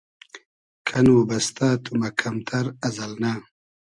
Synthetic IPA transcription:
kʰɐnwubɐst̪at̪ʰumɐkʰɐmt̪ʰɐɾɐzɐlnaː

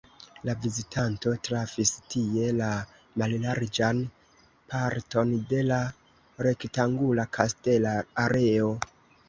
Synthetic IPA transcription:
lavizitʰanto̞tɾafistie̞la | mallaɾd͡ʒan | pʰaɾto̞nde̞la | ɾe̞ktaŋɡulakʰaste̞laːɾe̞o

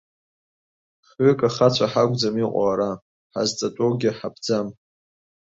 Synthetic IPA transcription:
χɥʏkʼaχat͡ɕʷʰaħaɡʷʼd͡zamiqʷʼa̰ɾa | ħa̰zt͡sʼatʼoɡʲɪħabd͡zam

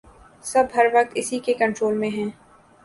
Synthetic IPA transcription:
sɐbɦɐɾʋɐk̚t̪ɪsikekɐ̃ɳʈɾoːlmẽɦɛ̃ː

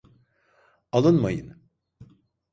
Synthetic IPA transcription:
alˠɯnmajɯn

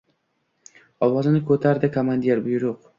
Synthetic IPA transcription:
ɒwɒzɪnɪkʰɵt̪ʰaɾd̪ɪkʰomand̪eɾbʊjɾʊq

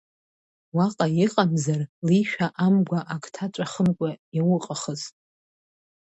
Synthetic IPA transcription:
waqʼajiqʼamzarliʃᶣaʔamɡʷaʔakʰʼtʰat͡ʃʷʼaχəmkʷʼajawʊqʼaχəzʼ

